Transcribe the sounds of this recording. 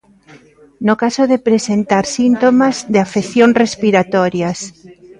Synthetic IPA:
nʊkasoðepɾesent̪aɾsint̪omazðeafeθjoŋrespiɾat̪ɔɾjas

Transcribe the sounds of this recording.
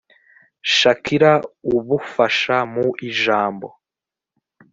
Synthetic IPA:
ʃakʰiɾauβufaʃamuʔiʒaːmbo̰

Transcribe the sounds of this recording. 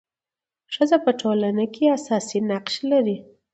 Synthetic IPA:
ʃəzapəʈʰolanakeasɑsinaqʃlaɾi

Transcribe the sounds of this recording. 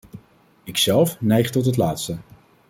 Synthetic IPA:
ɪksɛlˠfnɛjχtɔt̬ɦətlaːtstə

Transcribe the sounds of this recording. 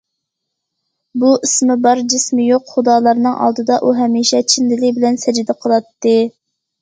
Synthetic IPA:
buʔismɪbɑɾd͡ʒɪsmɪjoqχʊd̪ɑːlˠɑɾnɨŋʔɑ̰lˠd̪ɨd̪ɑʔuɦɛmiʃɛt͡ʃʰinlɪlɪbɪlɛnsɛd͡ʒd̪ɛqʰəlˠɑt̪ːɨ

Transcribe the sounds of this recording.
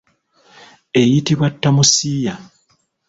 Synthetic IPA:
e̞jitiβwatːamusiːja

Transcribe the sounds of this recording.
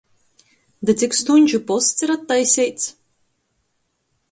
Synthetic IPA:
d̪ɨt̪sikst̪uɲʲt͡ʃupɔst̪siɾat̪ːajsʲɛjt̪s

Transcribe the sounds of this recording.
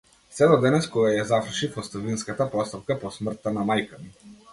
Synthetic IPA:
sɛd̪ɔd̪ɛnɛskɔɡajazafɾʃifɔst̪ɔvinskat̪apɔst̪ap̚kapɔsmr̩t̪ːanamajkami

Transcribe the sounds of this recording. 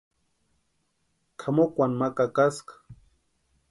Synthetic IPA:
kʰamokʷanmakakaskḁ

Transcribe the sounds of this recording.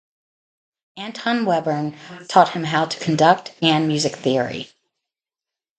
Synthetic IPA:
æ̃ntʰɑ̃nwɛbə˞ntʰɔt̚hɨ̃mɦaʊtʰə̥kʰn̩dʌk̚tɨ̃nmjʉzɨkθɪɹḭ

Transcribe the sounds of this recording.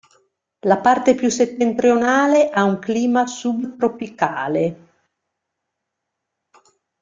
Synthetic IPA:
lapart̪epjuset̪ːent̪ɾionaːleʔauŋkliːmasubt̪ɾopikaːle

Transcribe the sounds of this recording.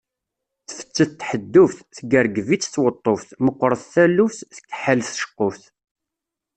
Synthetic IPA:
θfə̥t͡sːəθt̪ːħəd̪ːʊfθθɡəɾɡvit͡sːθwət̪ˤːofθməqʷːɾˤəθθælːufθθə̥kːħəlθʃə̥qːofθ

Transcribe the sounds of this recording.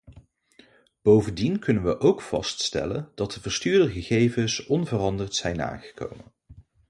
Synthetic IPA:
b̥owvəndinkɵnənʋəʔowkfɑ̰ststɛ̰lənd̥ɑt̚dəvəɹstyːɹdəχəχejvənsɔnvərɑndəɹtsɛjna̰ːχə̥ko̰wmə̰n

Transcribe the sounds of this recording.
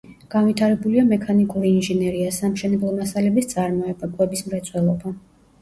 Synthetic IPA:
ɡ̥anvit̪ʰaɾɛbuliamɛkʰanikʼuɾiːnʒɛnɛɾiasamʃɛnɛblˠɔmasalɛbist̪sʼaɾmɔɛbakʼwɛbismɾɛt̪sʼʰwɛlˠɔba

